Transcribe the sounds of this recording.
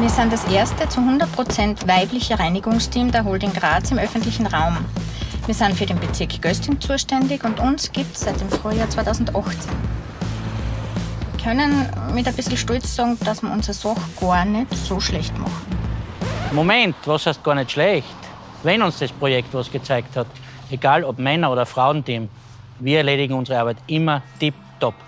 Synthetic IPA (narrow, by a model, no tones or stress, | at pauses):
viːɐsaɪndɐsʔeːɐstət͡suɦʊ̃ndɐt̚pʁ̥ot͡sɛntvaɪplɪçəʁaɪnɪɡʊŋstʰiːmdəɐɦoldɪŋɡʁaːt͡sɪmʔœfntlɪçn̩ʁaʊm | viːɐsaɪnfyːɐɾeːnbet͡sɪɐkʰɡ̥œstɪŋt͡suːʃtɛndɪçʊntʊnsɡ̥iːp̚tsaɪt̚d̥eːmfʁ̥yːɐjaːt͡sv̥aɪtʰaʊzn̩tʔɑxt͡sɛn | kʰœnənmɪtɐb̥ɪsl̩ʃtɔlt͡ssɑːɡŋ̩d̥asmiɐʔʊnzʁəsɔxɡ̥ɑɐnɛtsoːʃlɛçtmɑ̰xn̩ | momɛ̃ntvoshast̚ɡ̥ɑːɐnɛtʃlɛçt | vɛnʊnsd̥ɛspʁojɛktvɔsɡ̥ət͡saɪkthɑteɡ̥aːlɔpmɛnɐoːdɐfʁaʊntim | viːɐɛɐleːɾɪɡŋ̩ʊnzəʁəaɐbæɪtʔɪmɐd̥ip̚ | tɔp